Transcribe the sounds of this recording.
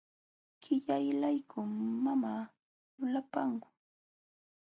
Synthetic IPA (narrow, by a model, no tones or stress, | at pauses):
kɪʎajlajkʰʊmmːamaː | ʊlapaŋkʊ̥